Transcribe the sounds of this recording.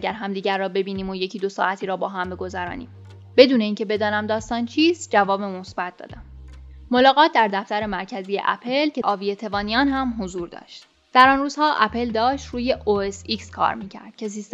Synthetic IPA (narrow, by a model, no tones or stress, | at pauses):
ɡæɾɦæmd̪iːɟæɾːɒːbe̞biːniːmoje̞cʰiːd̪o̞sɒ̰ːʔæt̪ʰiːɾɒːbɒːɦæmbe̞ɡo̞zæɾɒ̰ːnḭːm | b̥e̞d̪uːne̞iːncʰe̞be̞d̪ɒːnæmd̪ɒːst̪ɒːnt͡ʃʰiːsd͡ʒævɒːbemo̞sbæt̪̚d̪ɒ̰ːd̪æmːo̞lɒːɣɒːt̪̚ʰd̪æɾd̪æft̪æɾe̞mæɾkcʰæzijḛʔæ̰pʰelcʰe̞ʔɒːvije̞t̪ʰe̞vɒːnijɒːnɦæmɦozuːɾd̪ɒ̰ːʃt̪ | d̪̥æɾɒːnruːz̥hɒːʔæpʰe̞ld̪ɒːʃt̪ɾuːje̞ʔoesikskʰɒ̰ːɾmiːcʰæ̰ɾd̪̥cʰe̞siːst̪